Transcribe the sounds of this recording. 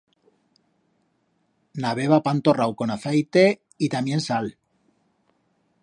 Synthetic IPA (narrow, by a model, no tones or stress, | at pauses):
naβ̞e̞βapant̪o̞rawko̞naθajt̪e̞ | it̪amje̞nsal